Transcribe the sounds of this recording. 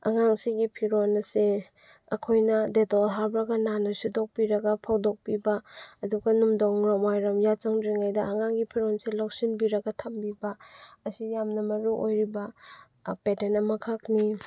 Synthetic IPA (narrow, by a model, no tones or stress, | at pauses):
a̰ŋaŋsiɡipʰiɾonɐse | ɐkʰojnɐdetolɦaɾbɾɐɡɐnanɐsudok̚piɾɐɡɐpʰawdok̚pibaːduɡɐnumdɔŋɾɔmajɾɐmjat͡ʃaŋdɾiŋajdɐɐŋaŋɡipʰiɾonselok̚sinbiɾɐɡɐtʰambibɐɐsijamnɐmɐɾuʔojɾibɐ | petenɐmɐkʰakni